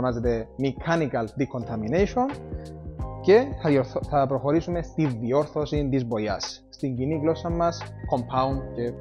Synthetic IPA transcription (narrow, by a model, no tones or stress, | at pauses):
mɐzet̪e̞mikʰɐnikɐld̪ikʰont̪ʰɐminejʃo̞n | ce̞θɐpɾo̞xo̞ɾisume̞st̪iðio̞ɾθo̞sint̪izbo̞jɐ̰sːt̪iɲɟiniɡlo̞sɐmːɐsko̞mpʰɐund̪ce̞